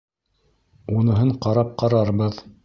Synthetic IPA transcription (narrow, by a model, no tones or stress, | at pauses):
unɤ̆ɦɤɴqɑɾɑp̚qɑɾɑɾβɤð